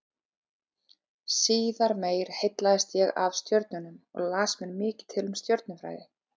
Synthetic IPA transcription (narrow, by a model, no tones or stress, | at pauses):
siːðaɾmeːjɾ̥hejt̪laɪst̪jɛɣa̰vst̪jœɾt̪̚nʏnʏmɔ̰ɣlaːsmɛnmɪːcɪ̥t̪ʰɪlʏmst̪jœɾt̪nʏfɾa̰ːjðɪ